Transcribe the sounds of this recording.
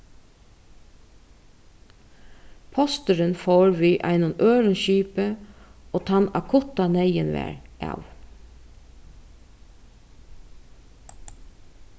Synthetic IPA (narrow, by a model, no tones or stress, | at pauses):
pʰɔst̪əɾənfoːɹʋiːʔæ̰ɪnʊnøːɹənʃyːpəoːt̪ʰɑnɑ̰kʰʊt̪ɑnæɪənʋæ̰ːɹʔɑ̰ʋ